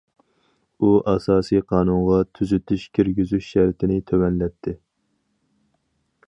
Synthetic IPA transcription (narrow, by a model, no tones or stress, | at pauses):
uʔɑsɑːsijqʰɑːnuɴʁɑt̪ʰyzyt̪ʰyʃkʲʰiɾɡʲizyʃʃæɾt̪ʰɪnɪt̪ʰøwɛnlɛp̚t̪ʰːɪ